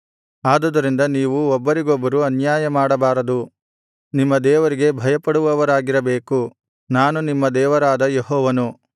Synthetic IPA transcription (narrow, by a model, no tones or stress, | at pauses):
aːd̪ɐd̪ɐɾind̪ɐniːʋuɔbːɐɾiɡobːɐɾuɐnjaːjɐmaːɽɐbaːɾɐd̪u | nimːɐd̪ɛːʋɐɾiɡe̞bʱɐjɐpɐɽuʋɐʋɐɾaːɡiɾɐbeːku | naːnunimːɐd̪ɛːʋɐɾaːd̪ɐjeɦɔːʋɐnu